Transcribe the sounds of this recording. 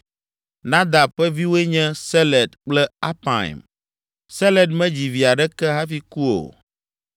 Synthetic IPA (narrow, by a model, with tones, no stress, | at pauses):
nã˦d̪a˨ɸɛ˦vi˦wo˦e˦ɲɛ̃˦sɛ˦lɛ˨d̪k͡plɛ˦a˦pã̰˨ḭ˨m | sɛ˦lɛ˨dmɛ̃˦d͡ʑi˨vi˨a˨ɖɛ˦kɛ˦ɦa˦fi˦ku˦o̰˨